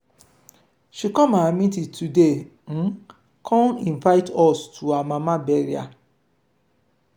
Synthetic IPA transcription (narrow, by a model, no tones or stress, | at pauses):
ʃikɔ̃maamĩtitude | ñ̩ | kʰɔ̃nĩnvaɪtɔstʰuamãmãbɛɾia̰